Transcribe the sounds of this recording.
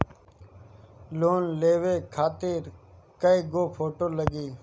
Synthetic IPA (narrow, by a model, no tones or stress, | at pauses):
loːnleːʋeːkʰaːt̪ɪɾ | kəiːɡoːpʰoːʈoːləɡiː